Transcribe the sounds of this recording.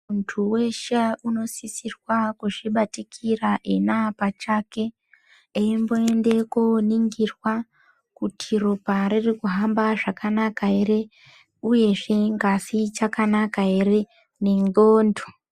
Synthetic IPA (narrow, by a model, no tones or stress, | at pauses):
muntʰuwe̞ʃeʔuno̞sisirwakuʐiɓatikʰiraʔenapat͡ʃake̞ | eimbo̞ende̞koniŋɡirwa | kutʰiropaɾirikuɦambaʐakanakae̞ɾe̞ | uje̞ʐe̞ŋɡasit͡ʃakanakae̞ɾe̞ | ne̞ŋɡoːndo